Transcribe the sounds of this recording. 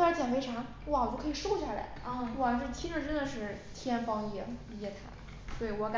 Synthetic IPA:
a˧˥t͡ɕjɛ˨˩nfe˥ɪʈ͡ʂʰɑ˧˥ŋ | wwt͡ɕo˥˩kʰɤ˥˨˩ʂo˥˧ʊɕa˥˩la̰˧˥ɪ˥˧wɔ˨˩˥t̪ʰi˥ŋʈ͡ʂə˨˩ʈ͡ʂə˥nd̪ə˨ʂɻ̩˥˩t̪ʰjɛ˥nfɑ˥ŋjɛ˧˥i˧˥ɛ˧˥˩t̪ʰa̰˧˩˦ | swɔ˧˥i˨˩wɔ˧˥ka˧

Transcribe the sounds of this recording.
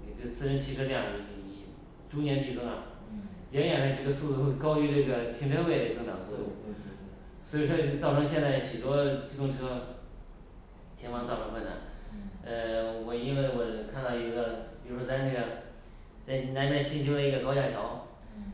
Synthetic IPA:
ʈ͡ʂə˩t͡sʰɹ̩˥˧ɻə˧˥nt͡ɕʰi˧˥ʈ͡ʂʰɤ˥ʈ͡ʂɤ˥˧jɑ˥˩ŋ˩ə˧˩˧ | ʈ͡ʂu˥njɛ˧˥nd̪i˥˩t͡sɤ˥ŋɐ̰˨˩ | jɛ˧˥njɥɛ˨˩nʂa˥˩ʈ͡ʂɤ˥˩ɡə˧su˥˧t͡su˥˧xwe˥˩ɪkɑ˥ʊy˧˥ʈ͡ʂɤ˥˩ɡə˩t̪ʰi˧˥ʈ͡ʂʰa˥we˥˩d̪ə˧˩ʈ͡ʂɤ˥˩ŋt̪ɑ̰˨˩ŋsu˥˩t͡su˥˧˥ | swɔ˧˥i˨˩ʂwɔ˥˩t̪ɑ˥˩ʊʈ͡ʂʰɤ˥ŋɕ̬jɛ˥˧nt͡sa˥˩ɪɕy˨˩t̪wɔ˥ʈ͡ʂ̩˥˩ʈ͡ʂʊ˥ŋʈ͡ʂʰɤ˥ | t̪ʰjɛ˧˥nwɑ˥˧ŋt̪ɑ˥˩ʈ͡ʂʰɤ˧˥ŋkwə˥˩na̰˨˧˩nə˧wɔ˨˩i˥nwe˥˩ɪwɔ˨˩kʰa˥˧nt̪ɑ˥˩i˧˥ɡə˧pi˨˩ɻu˥ʂwɔ˥t͡sa˥˧ɪna˥˩ɡə˩ | t͡sa˥˩ɪna˧˥na˥˩ɕi˥nɕʰi˥d̪ə˧i˧˥ɡə˧kɑ˥ʊt͡ɕja˥˩ɕjɑ˧˥ʊ

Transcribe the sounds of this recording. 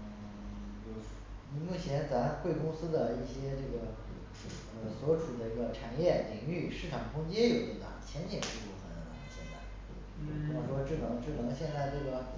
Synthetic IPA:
t͡ɕo˥˩ʊ˥ni˧˥mu˥˩t͡ɕʰjɛ˧˥nt͡sa˧˥m˧xwe˥˩ɪkʊ˥ŋsɹ̩˥d̪ə˨i˥˩ɕjɛ˥ʈ͡ʂɤ˥˩ɡə˩ | ə˧˩swɔ˧˥ʈ͡ʂʰu˨˩d̪ə˦i˧˥ɡə˧ʈ͡ʂʰa˨˩njɛ˥˩li˨˩ŋy˥˩ʂɻ̩˥˩ʈ͡ʂʰɑ˨˩ŋkʰʊ˥ŋt͡ɕjɛ˥jo˨˩ʊd̪ə˧˩t̪ɑ̰˨˩˦t͡ɕʰjɛ˧˥nt̪jɛ˨˩ʂɻ̩˥˧pu˥˩fə˧˩nd̪ə˧˩t̪ɑ̰˨˩ŋ˧˩t͡ɕʰjɛ̰˥nb̪a̰˧˩˥ | ʂwɔ˥ʈ͡ʂɻ̩˥˩nɤ˧˥ŋʈ͡ʂɻ̩˥˩lɤ˧˥ŋɕjɛ˥˧nt͡sa˥˧ɪt̪o˥˧ʊə˧˥

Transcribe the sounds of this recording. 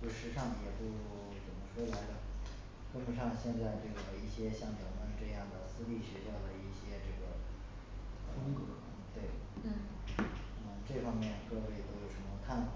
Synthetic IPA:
o˥˩ʂɻ̩˧˥ʂɑ˥˩ŋjɛ˨˩pu˥˩ | t͡sə˨˩mə˧˦ʂwɔ˥la˧˥ɪd̪lə˧ | kə˥npə˨˩nʂɑ˥˧ŋɕjɛ˥˧nt͡sa˥˧ɪʈ͡ʂɤ˥˩ɡə˩i˥˩ɕjɛ˥ɕjɑ˥˩ŋt͡ɕjo˨˩ʊmə˧˥nʈ͡ʂɤ˥˧jɑ˥˩ŋd̪ə˩sɹ̩˥li˥˩ʂɻ̩˧˥ɕjɑ˥˩d̪ə˩i˥˩ɕjɛ˥ʈ͡ʂɤ˥˩ɡə̰˩ | xə˥nkɤ˥˩˥ | t̪we˥˩ɪ˥˩ | ə˧˩ʈ͡ʂɤ˥˩fɑ˥ŋmjɛ˥˧nkɤ˥˧we˥˩ɪt̪o˥jo˨˩ʊʂə˧˥nmə˧kʰa˥˩n˨˩

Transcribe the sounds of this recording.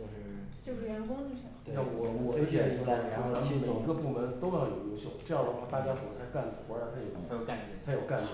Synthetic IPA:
jo˥˧ʊʂɻ̩˥˩ | t͡ɕjo˥˧ʊʂɻ̩˥˩ɥɛ˧˥nkʊ˥ŋi˥˩ʂt̪na˥˩wɔ˨˩wɔ˨˩d̪ə˥t̪jɛ˥˩o˥˧˩u˥a˥˧˩meʈ͡ʂə˨˩i˧˥ɡə˧pu˥˩mə˧˥nt̪o˥ʊjɑ˥˩ʊjo˨˩ʊjo˧˥ʊɕjo˥˧ʊʈ͡ʂɤ˥˧jɑ˥˩d̪ə˩xwa˥˧t̪a˥˩t͡ɕja˥kʰə˨˩n˧˥t͡sʰa˧˥ɪka˥˩n˨˩t̪ʰɔ˧˥ə˧˥˩t͡sʰa˧ɪjo˨˩ʊ˥a˧˥jo˨˩ka˥˩nɛ˧˥˩t͡sʰa˧˥jo˨˩ʊka˥˩n˥

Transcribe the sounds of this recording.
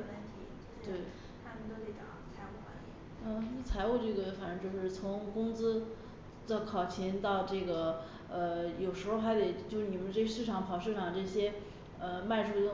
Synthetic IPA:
a˥nt̪ʰi˧˥˩t̪we˥˩ɪ | t̪ʰa˥mə˨nt̪o˥ʊt̪e˧˩ɪʈ͡ʂɑ̰˨˩˦t͡sʰa˧˥ɪu˥˩xwa̰˧˥nlḭ˧˩ | ə˥˧˥t͡sʰa˧˥ɪu˥˧ʈ͡ʂɤ˥˩ɡə˩fa˨˩ʈ͡ʂɤ˥˧˥jo˥˧ʊʂɻ̩˥˩t͡sʰʊ˧˥ŋkʊ˥ŋt͡sɹ̩˥ | t͡sɑ˥˩kʰɑ˨˩ʊt͡ɕʰi˧˥nt̪ɑ˥˧ʊʈ͡ʂɤ˥˩ɡə˩ | ə˧jo˨˩ʊʂɻ̩˧˥xo˥˧xa˧˥ɪt̪e˨˩ɪt͡ɕjo˥˧ʊʂɻ̩˥˩ni˨˩mə˦nʈ͡ʂe˥˧˥ʂɻ̩˥˩ʈ͡ʂʰɑ˧˥ŋpʰɑ˨˩ʊʂɻ̩˥˧ʈ͡ʂʰɑ˨˩ŋʈ͡ʂɤ˥˩ɕjɛ˥ | ə˧ma˥˧ɪʈ͡ʂʰu˥

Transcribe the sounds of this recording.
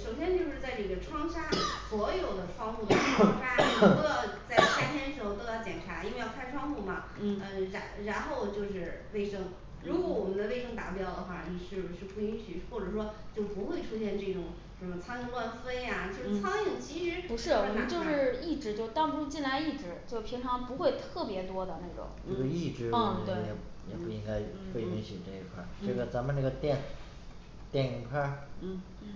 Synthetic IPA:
ʂo˨˩ʊɕjɛ˥nt͡ɕjo˥˧ʂɻ̩˥˧t͡sa˥˧ɪʈ͡ʂɤ˥˩ɡə˩ʈ͡ʂʰwɑ˥ŋɕja˥swɔ˧˥jo˨˩ʊd̪ə˦ʈ͡ʂʰwɑ˥ŋxu˥˩d̪ə˧˩a˥˩˥a˥˩˥ə˥˧t͡sa˥˩ɪɕa˥t̪ʰjɛ˥nə˩ʂɻ̩˧˥xo˧t̪t̪ɑ˥˩t͡ɕjɛ˨˩nʈ͡ʂʰa˧˥i˥nwe˥˧jkʰʈ͡ʂʰwɑ˥ŋfu˥˩mɐ˩ | n̩˩ə˧ɻa˧˥ɻa˧˥nxo˥˧ʊt͡ɕjo˥˧ʊʂɻ̩˥˧˩we˥˩ɪʂɤ˥ŋ | ɻu˧˥kwɔ˧˥wɔ˨˩mə˦nd̪ə˧e˥˧ɪʂɤ˥ŋt̪a̰˨˩pjɑ˥˩ʊd̪ə˩xwa˥˩ni˨˩ʂɻ̩˥˩bʂɻ̩˥˧pu˥˩i˥ŋɕy˨˩xwɔ˥˩ʈ͡ʂɤ˨˩ʂ̬wɔ˥t͡ɕjo˥˩ʊpu˧˥xwe˥˧ɪʈ͡ʂʰu˥ɕjɛ˥˧nʈ͡ʂɤ˥˩ʈ͡ʂʊ˨˩ŋ | ʂə˧˥nmə˧t͡sʰa˥n˧lwa˥˧nfe˥ɪa˨t͡ɕjo˥˧ʊʂ̩˥˧˥t͡sʰɑ˥ŋjɛ˥˨˩t͡ɕi˧˥ʂɻ̩˧˥pu˧˥ʂɻ̩˥˩wɔ˧˨˩m˦nt͡ɕjo˥˧ʊʂɻ̩˥˧i˥˩ʈ͡ʂɻ̩˧˥t͡ɕjo˥˧ʊ˧t̪ɑ˥u˧˥u˥t͡ɕi˥˩nla˧˥ɪi˥˩ʈ͡ʂɻ̩˧˥t͡ɕjo˥˧pʰi˧˥ŋʈ͡ʂʰɑ˧˥ŋpu˧˥xwe˥˧ɪt̪ʰɤ˥˩pjɛ˧˥t̪wɔ˥d̪ə˨na˥˩ɪʈ͡ʂʊ̰˨˩˦ŋna˥˩ɡə˧i˥˩ʈ͡ʂɻ̩˧˥t̪we˥˩˧ɛ˨˩ | jɛ˨˩pu˥˩i˥ŋɡa˥ɪfe˥˧ɪmi˥ŋɕi˨˩ʈ͡ʂɤ˥˩i˧˩kʰwa̰˥˩ʈ͡ʂɤ˥˩ɡə˩t͡sa˧˥mə˧na˥˩ɡə˩t̪jɛ˥˧˩n | t̪jɛ˥˩nə˧˩kʰa˥˩˥

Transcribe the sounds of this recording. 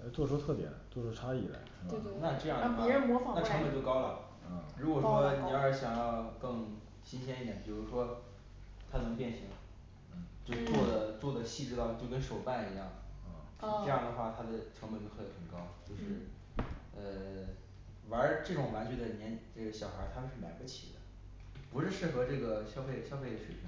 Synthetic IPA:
ɛ˧˥t͡swɔ˥˩ʂwɔ˥t̪ʰɤ˥˩pjɛ̰˨˩nt͡swɔ˥˩ʂwɔ˥ʈ͡ʂʰa˥i˨˩la̰˧˥ | e˥˧e˥˧na˥˧ʈ͡ʂɤ˥˧jɑ˥˩ŋdxwɻə˧˥mwɔ˧˥fɑ˨na˥˩ʈ͡ʂʰŋmə˨nt͡ɕo˥˩ʊkɑ˥ʊlə˨ | ə˥˩ɻu˧˥kwɔ˨˩wɔ˥njɛ˧˥ə˧˥ɕjɑ˨˩ŋjɑ˥˧ʊkɤ˥˧ŋ | ɕi˥nɕ̬jɛ˥ni˥˩jɛ˨˩˦npi˨˩ɻu˧˥ʂwɔ˥ | t̪ʰa˥nɤ˧˥ŋpjɛ˥˩nɕi˧˥ŋ | n̩˥˩t͡ɕjo˥˧t͡swɔ˥˩d̪ə˩t͡swɔ˥˩d̪ə˩ɕi˥˩ʈ͡ʂɻ̩˥t̪ɑ˥˧ʊt͡ɕjo˥˧ʊkə˥nʂo˨˩ʊpa˥˩ni˧˥jɑ˥˩ŋ˥˧˩ | ɤ˥˧jɑ˥˩ŋd̪ə˩xwa˥˩t̪ʰa˥d̪ə˨ʈ͡ʂʰɤ˧˥ŋmə˧˩t͡ɕo˥xə˧˩nxə˨˩ŋkɑ˥ʊt͡ɕjo˥˧ʊʂɻ̩˥˩ | ə˧ | wa˧˥ə˧˥ʈ͡ʂɤ˥˩ʈ͡ʂʊ˨˩ŋwa˧˥nt͡ɕɥy˧˩d̪ə˧njɛ˧˥nʈ͡ʂɤ˥˩ɡə˩ɕjɑ˨˩ʊxə˞˧˥t̪ʰa˥mə˧nʂɻ̩˥˩ma̰˨˩ɪpu˥˩t͡ɕʰḭ˨˩d̪ə̰˦ | pu˧˥ʂɻ̩˥˧ʂɻ̩˥˩xɤ˧˥ʈ͡ʂɤ˥˩ɡə˩ɕjɑ˥ʊfe˥˩ɪɕjɑ˥ʊfe˥˩ɪd̪ə˩ɕwe˨˩˧

